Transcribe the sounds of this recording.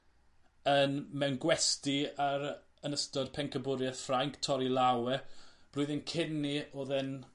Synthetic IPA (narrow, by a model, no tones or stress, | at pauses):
ənmɛwnɡwɛstiaɾ | ənəstɔdpʰɛŋkʰəbʊɾjɛθfraŋkʰtʰɔɾilˠawɛb̥lʊɨðɪnkʰɪnːioːðɛn